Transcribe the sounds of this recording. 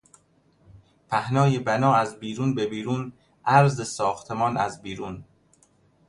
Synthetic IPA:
pʰæhnɒːjebænɒːæzbiːɾuːnbebiːɾuːn | ʔæɾzesɒːxt̪ʰemɒːnæzbiːɾuːn

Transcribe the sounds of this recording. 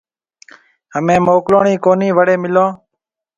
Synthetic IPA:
ɦəmẽːmoːkloːɳiːkoːniːʋəɽeːmɪlõː

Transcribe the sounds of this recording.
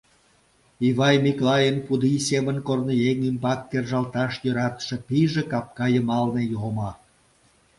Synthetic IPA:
iβɑjmiklɑjənpud̪isemənkornojeŋymbɑkːerʒɑlt̪ɑʃjøɾɑt̪ə̥ʃĕpiʒĕkɑp̚kɑjəmɑlnejoʁomɑ

